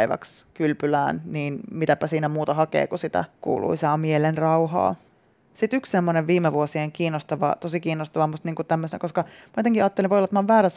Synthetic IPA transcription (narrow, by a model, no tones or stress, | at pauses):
iʋæ̰kskylpylæːnniːnmit̪æpæsiːnæmuːt̪ɑhɑkḛːkusit̪æ̰kṵːlʔṵisɑːmielenrɑuɦɑ̰ː | sit̪ykssemːoneʋʋiːmːeʋuosieŋkiːnːost̪ɑʋɑ̰t̪osikiːnːost̪ɑʋɑmust̪niːŋkutt̪æmːøsenæ̰koskɑmɑot̪eŋkiɑːt̪ːelĩʋoˑjlɑt̪mɑːʋʋæːɾæs